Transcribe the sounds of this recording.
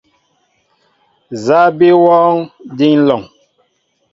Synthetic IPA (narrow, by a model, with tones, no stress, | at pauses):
za˦bi˦wɔː˦ŋdi˦ŋ˦lɔ˨ŋ